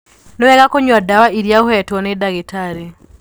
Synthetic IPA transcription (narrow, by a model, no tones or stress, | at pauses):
nowɛɣakoɲwadawaʔiɾjaohɛtwɔnedaɣetaɾe